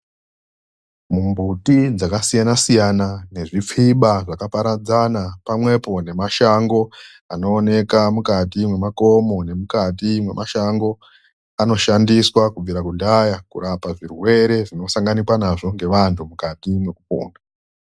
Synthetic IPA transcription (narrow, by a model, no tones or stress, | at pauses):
mumbutid͡zakasijanasijanane̞ʐip͡fiɓaʐakapaɾad͡zanapamwe̞po̞ne̞maʃaŋɡo̞ | ano̞ːne̞kamukatimwe̞mako̞mo̞ne̞mukat̬imwe̞mʔaʃaŋɡo̞ | ano̞ʃandiswakub͡viɾakundajakṵɾapaʐirwe̞ɾe̞ʐino̞saŋɡanikwanaʐo̞ŋɡe̞ʋantʰumukatimwe̞kupo̰ːnɡa